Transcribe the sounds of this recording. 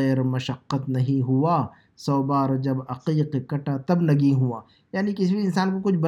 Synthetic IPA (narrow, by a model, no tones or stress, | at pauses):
ɛːɾmɐʃəqːət̪nɐɦĩɦʊa | sɔːbaːɾd͡ʒɐbɐqiːqekɐʈat̪ɐbnɐɡiɦuaː | jaːnikɪsibiɪnsaːnkokʊt͡ʃʰbɐ